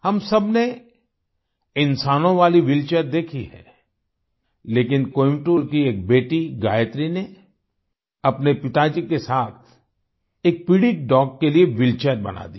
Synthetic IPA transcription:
hɐmsɐbne | ɪ̃nsaːnõʋaːliʋɪlt͡ʃəɾd̪eːkʰiɦɛ̰ | leːkɪnkoːɪ̃mʈuɾkieːk̚beːʈiɡa̰ːjət̪ɾine | ɐpnepɪt̪aːd͡ʒikesaːt̪ʰ | eːk̚pɪɽiʈ̚ɖɔːkːelieʋɪlt͡ʃəɾbɐ̰na̰d̪ḭː

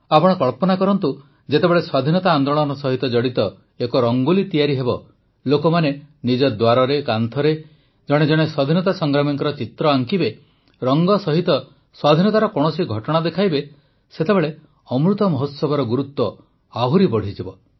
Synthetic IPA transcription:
apɔɽ̃ɔkɔɭpɔnakɔɾɔnt̪u | d͡ʒet̪ebeɭeswad̪ʱinɔt̪aːnd̪oɭ̃ɔnɔsɔɦit̪ɔd͡ʒɔɽit̪ɔ | ekɔɾɔŋɡulit̪ijaɾiɦebɔ | lokɔmanenid͡ʒɔd̪waɾɔɾekant̪ʰɔɾe | d͡ʒɔɽ̃ed͡ʒɔɽ̃eswad̪ʱinɔt̪asɔŋɡɾamiŋkɔɾɔt͡ʃit̪ɾɔaŋkibe | ɾɔŋɡɔsɔɦit̪ɔ | swad̪ʱinɔt̪aɾɔkɔɽ̃ɔsiɡʱɔʈɔɽ̃ad̪ekʰajbe | set̪ebeɭe | ɔmɾut̪ɔmɔɦot̪sɔbɔɾɔɡuɾut̪ːɔ | aɦuɾibɔɽ̤id͡ʒibɔ

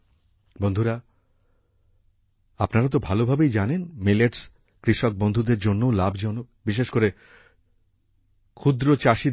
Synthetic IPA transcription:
bond̪ʱuɾa | apnaɾat̪̬obʱalobʱabejd͡ʑanenmeleʈs | kɾiʃok̚bond̪ʱud̪eɾd͡ʑonːoolabʱd͡ʑɔno | biʃ̬eʃkoɾe | kʰud̪ɾot͡ɕaʃi

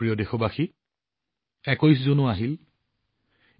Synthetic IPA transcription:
ɹijɔdexɔbaxi | ɛkojs̬zʊnʊaɦil

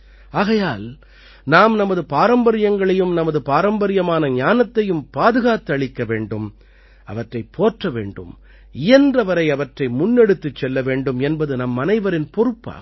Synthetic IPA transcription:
aːɣɐjaːl | naːmnɐmɐðɯpaːɾɐmbɐɾɪjɐŋɡɐɭɐjɯmnɐmɐðɯpaːɾɐmbɐɾɪjɐmaːnɐɲaːnɐt̪ːɐjɯmpaːðɯɣaːt̪ːɯɐɭɪkːɐʋeːɳɖɯm | ɐ̰ʋɐʈrɐɪpʰːoːʈrɐʋḛːɳɖɯ̰m | ɪjɐndrɐʋɐɾɐɪɐʋɐʈrɐɪmʊnːɛɽɯt̪ːɯt͡ʃːɛlːɐʋeːɳɖɯmɛnbɐðɯnɐmːɐnɐɪʋɐɾɪnpɔɾɯpːa̰ː

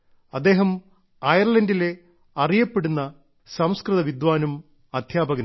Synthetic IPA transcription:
ɐd̪ːe̞ːɦɐm | ɐjɐrɭɐndile̞ | ɐrijɐpːe̞ɽunːɐ | sɐmskrɨðɐʋid̪ʋaːnum | ɐd̪ʱjaːbɐɣɐ

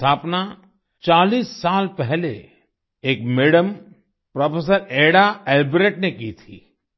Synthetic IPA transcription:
t̪ʰaːpna | t͡ʃaːliːsːaːlpɛɦlḛ | eːk̚meɽəm | pɾɔːpʰes̬əɾeɽaɛlbɾeːʈnekit̪ʰḭː

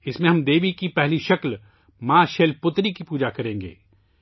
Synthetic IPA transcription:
ɪsmẽɦɐmd̪eːʋikipɛɦliʃɐkl | maːʃeːlpʊt̪ɾikipuːd͡ʒakɐɾẽːŋɡḛː

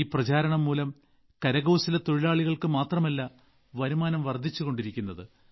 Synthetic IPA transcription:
iːprɐt͡ɕaːɾɐɳɐmːuːlɐm | kɐɾɐɣɐwsilet̪o̞ɻilaːɭiɣɐɭkɨmaːt̪rɐmɐlːɐ | ʋɐɾumaːnɐmʋɐrd̪ʱːit͡ɕːuɣo̞ɳɖiɾikʲːunːɐðɨ

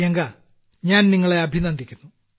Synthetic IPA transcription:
jɐŋɡa | ɲaːnniŋːɐɭe̞ɐbʱinɐnd̪ʱikʲːunːu

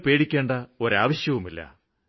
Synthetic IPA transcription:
pe̞ːɽikʲːe̞ːɳɖɐo̞ɾaːʋɐɕjɐʋumilːɐ̰

